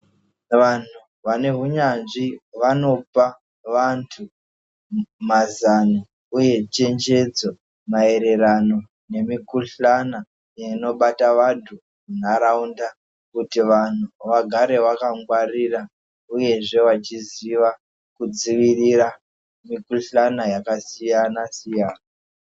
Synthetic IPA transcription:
ʋan̤u | ʋane̞ɦuɲanʐiʋano̞pa | ʋantʰu | mazano | uje̞t͡ʃe̞nd͡ʒe̞d͡zo | mae̞ɾe̞rano̞ | ne̞mikuɬana | jeno̞ɓataʋantʰu | mun̤aɾaunda | kutiʋan̤uʋaɡʱaɾe̞ʋakaŋɡwarira | uje̞ʐe̞ʋat͡ʃiziʋa | kud͡ziʋirira | mikuɬanajakasijanasijaːna

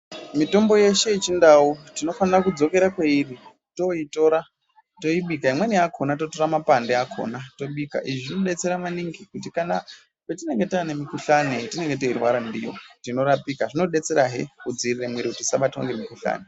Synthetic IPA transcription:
mito̞mbo̞je̞ʃe̞it͡ʃindautino̞fanirakud͡zo̞ke̞ɾakweiri | to̞ito̞ɾa | to̞iɓikaimwe̞niakʰonato̞to̞ɾamapandeakʰo̞̰nato̞ɓika̰ʔiʐinoɗe̞t͡se̞ɾamaniŋɡikutikana | petine̞ŋɡe̞taːnemikuɬanetine̞ŋɡe̞to̞irwaɾandijo̰tinoɾapikaʐino̞ɗe̞t͡se̞ɾaɦḛkud͡ziriremwiɾiutisaɓatio̰ŋɡemikuɬa̰ːne

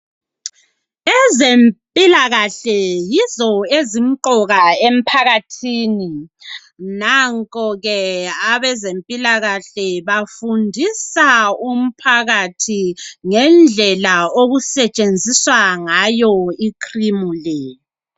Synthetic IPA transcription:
ɛzempʼilaɣaɬɛjizɔezim̩ǃɔɣaem̩pʰaɣatʰiːni | naŋkʼɔɣɛaβɛzempʼilaɣaɬɛβafundʱisaum̩pʰaɣatʰiŋɛnd͡ɮʱɛlaoɣusɛt͡ʃʼend͡zʱiswaŋajɔikʰrimulɛ

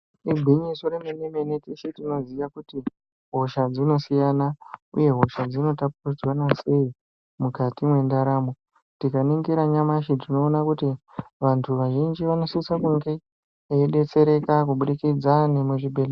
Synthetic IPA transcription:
iɡʱiɲiso̞ɾemeneme̞netiʃitino̞ziʋakuti | ɦo̞ʃad͡zino̞sijanaṵje̞ɦo̞ʃad͡zino̞tap̚urid͡zwanase̞i | mukatimwe̞ndaɾaːmo | tikaneŋɡeɾaɲamaʃitino̞ːnakutiʋantʰuʋaʒind͡ʒiʋano̞sisakuŋɡe | eɗe̞t͡se̞ɾe̞kakuɓuɗikid͡zanemuʐibʱele

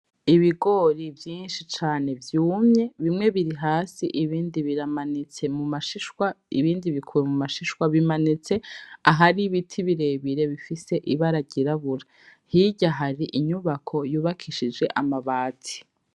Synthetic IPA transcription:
iβiɡo̞ɾivjiːnʃit͡ʃaːne̞vjuːmɲe̞βimŋe̞βiɾiɦaːsiʔiβiːndiβiɾamanit͡se̞mumaʃiʃwaḭβiːndiβikʰuɾemumaʃiʃwaβimanit͡se̞aɦaɾiβitʰiβiɾe̞ːβiɾe̞βifise̞ʔiβaɾaɟiɾaβuɾa | hiɟaɦaɾiʔiɲuβakʰo̞juːβakʰiʃid͡ʒe̞ʔamaβaːtʰi̥

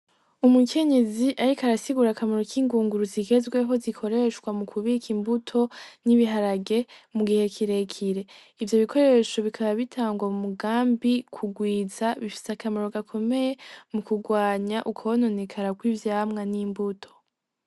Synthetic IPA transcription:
umukʰe̞ɲe̞ziʔaɾikaɾasiɡuɾakameɾo̞kʰiːŋɡuːŋɡuɾuziɡe̞zɡweɦo̞zikʰo̞ɾe̞ʃkwamukʰuβikʰimbutʰo̞niβiɦaɾaɡe̞muɡihe̞kʰiɾe̞kʰiɾe̞ | ivjo̞βikʰo̞ɾe̞ʃo̞βikʰaβaβitʰaːŋɡwamumuɡaːmbikʰuɡwiːzaβifi̥sakameɾo̞ɡakʰo̞me̞je̞mukuɡwaːɲaʔukʰono̞nekʰaɾakwivjaːmŋaniːmbutʰo̞̥

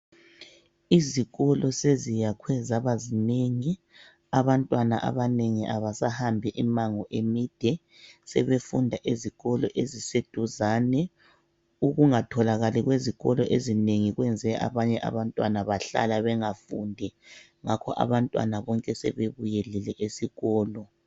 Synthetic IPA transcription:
iziɣɔlɔsezijakʰwɛzaβazineŋi | aβantʼwana̰ʔa̰βaneŋiʔaβasahambʱiʔimaŋɔʔemid̥ʱɛ | sɛ̰βefundʱaʔeziɣɔlɔʔezised̥ʱuzaːnɛ | uɣuŋatʰɔlaɣaliɣweziɣɔlɔʔezineŋiɣwɛnd͡zʱɛʔa̰βaɲɛʔa̰βantʼwanaβaɬa̰laβɛŋafundʱɛ | ŋakʰɔ̰ʔa̰βantʼwa̰naβɔŋkʼɛsɛ̰βeβujɛlɛlɛʔesiɣɔːlɔ

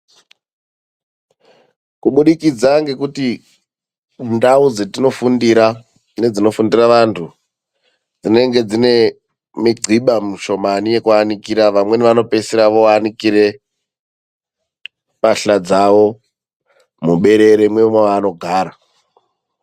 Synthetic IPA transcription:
kuɓuɗikid͡zaŋɡe̞kuti | ndaud͡zetino̞fundiɾa | ne̞d͡zino̞fundiraʋantʰu | d͡zine̞ŋɡe̞d͡zine̞ | miɡ͡ǀʱiɓamiʃo̞manije̞kuanikiɾaʋamwe̞neʋano̞pe̞siɾaʋoanikiɾe̞ | paɬad͡zaʋo̞ | muɓe̞ɾe̞ɾemwemwaʋano̞ɡʱaːɾa

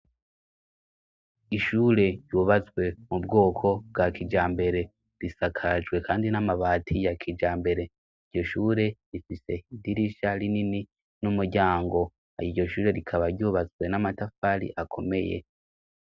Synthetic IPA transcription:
iʃuːɾe̞juːβazɡwe̞mubɡo̞ːkʰo̞b̚ɡakid͡ʒaːmbe̞ɾe̞ | ɾisakʰad͡ʒɡwe̞kʰaːndinamaβaːtʰijakʰid͡ʒaːmbe̞ɾe̞ | iɾɟo̞ʃuːɾe̞ɾifise̞idiɾiʃaɾinini | numuɾɟaːŋɡo̞ | a̰jiɟo̞ʃuːɾe̞ɾikʰaβaɾɟuːβazɡwe̞namatafaɾḭʔakʰo̞me̞̰jḛ

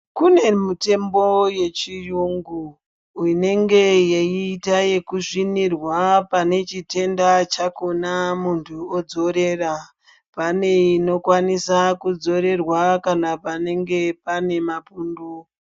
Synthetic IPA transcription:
kune̞mute̞mbo̞je̞t͡ʃijuŋɡu | ine̞ŋɡe̞jeiːtaje̞kuʐinirwapane̞t͡ʃite̞ndat͡ʃakonamuntʰuod͡zo̞ɾe̞ːra | pane̞ino̞kwanisakud͡zo̞ɾe̞rwakanapane̞ŋɡe̞pane̞mapuːndu

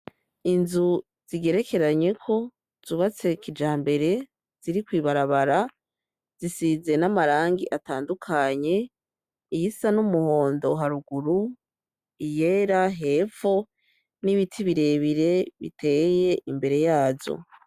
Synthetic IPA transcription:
inzu | z̥iɡe̞ɾe̞kʰe̞ɾaɲe̞kʰo̞ | z̥uβat͡se̞kid͡ʒaːmbe̞ɾe̞ | z̥iɾikwiːβaɾaβaɾa | z̥isize̞namaɾaːŋɡiʔataːndukʰaɲe̞ | ijisanumuho̞ːndo̞ɦaɾuɡuɾu | ije̞ːɾaɦe̞ːfo | niβitʰiβiɾe̞βiɾe̞βḭtʰe̞je̞ʔimbe̞ɾe̞jaːzo̞̰

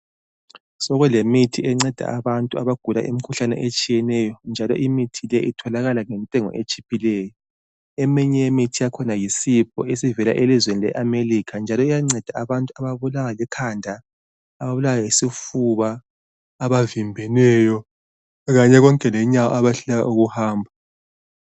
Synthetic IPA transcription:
sɔɣɛlemitʰiɛŋ͡ǀɛd̥ʱa̰aβantʼua̰βaɡ̥ʱula̰ʔimikʰuɬanɛ̰ʔet͡ʃʼijɛnɛjɔnd͡ʒʱalɔ̰ʔimitʰilɛʔitʰɔlaɣalaŋɛntʼɛŋɔ̰ʔet͡ʃʼipʰilɛːjɔ | ɛmiɲɛjemitʰijakʰɔnajisipʰɔesivɛla̰ʔelizwenilɛ̰ʔamerikʰand͡ʒʱalɔijaŋ͡ǀɛd̥ʱaaβantʼuaβaβulawalɛkʰandʱaː | βaβulawajisifuβaː | βavimbʱɛnɛjɔ | ɣaɲɛɣɔŋkʼɛlɛɲawɔ̰aβaɬuaja̰uɣuhaːmbʱa

